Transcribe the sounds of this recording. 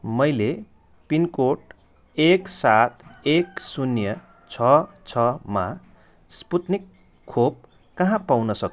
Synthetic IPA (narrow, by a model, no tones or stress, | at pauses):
mʌjle | pinkoʈ | eksat̪ʰeksunjʌ | t͡sʰʌ | t͡sʰʌma | sput̪nikʰː | ob̚ | kʌɦãpawnʌsʌk